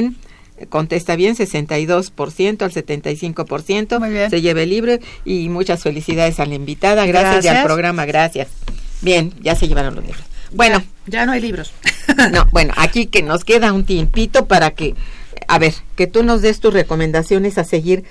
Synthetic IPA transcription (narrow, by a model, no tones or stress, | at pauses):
n | ko̞nt̪e̞st̪aβje̞nse̞se̞nt̪ajðo̞spo̞ɾsje̞nt̪oalse̞t̪e̞nt̪ajsiŋko̞po̞ɾsje̞nt̪o̞se̞ʝe̞βeliβɾoimut͡ʃasfe̞lisiðað̞e̞salaimbit̪aðaɣɾasjaapɾo̞ɣɾamaɣɾasjasbje̞nɟ͡ʝase̞je̞βaɾo̰nlozlḭβɾosbwe̞no̞ | anoajliβɾosno̰bwe̞no̰ʔa̰kikeno̞ske̞ðaunt̪impit̪o̞paɾakea̰βe̞ɾke̞t̪uno̞zðe̞st̪usre̞ko̞mẽnd̪asjo̞ne̞sase̞ɣiɾ